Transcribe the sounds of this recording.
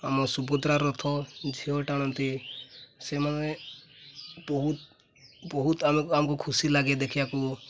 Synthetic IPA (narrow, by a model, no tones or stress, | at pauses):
amɔsubɔd̪ɾaɾɔt̪ʰɔd͡ʒʱiɔʈaɽ̃ɔnt̪i | semane | bɔɦut̪ | bɔɦut̪amamɔkukʰusilaɡed̪ekʰibaku